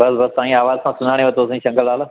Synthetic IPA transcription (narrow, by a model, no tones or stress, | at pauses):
bɐsbɐst̪aːĩaːʋaːzsãsʊnaːɽ̃ẽʋɐt̪oːs̬ẽʃɐ̃ŋɡəlaːl